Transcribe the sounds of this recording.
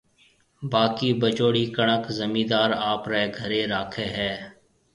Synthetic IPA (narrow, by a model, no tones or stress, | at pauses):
baːkiːbət͡ʃoːɽiːkəɳəkzəmĩːd̪aːɾaːpɾɛːɡʱəɾeːɾaːkʰeːɦɛː